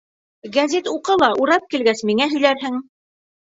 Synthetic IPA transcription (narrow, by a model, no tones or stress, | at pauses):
ɡæzet̪uqɤlˠɑʔuɾɑp̚kilɡæsmiŋæɦɵ̆jlæɾɦɘŋ